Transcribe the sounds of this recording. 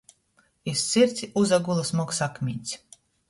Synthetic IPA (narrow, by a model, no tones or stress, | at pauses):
issiɾt̪sʲiʔuzaɡulˠasmɔksakmʲiːt̪sʲ